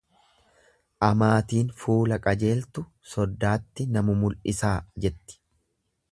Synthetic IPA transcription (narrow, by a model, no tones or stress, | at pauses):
ʔɐmaːt̪iːnfuːlɐkʼɐd͡ʒe̞ːlt̪ʊ | sɔd̪ːaːt̪ːɪnɐmʊmʊlʔɪsaːd͡ʒɛt̪ːɪ̥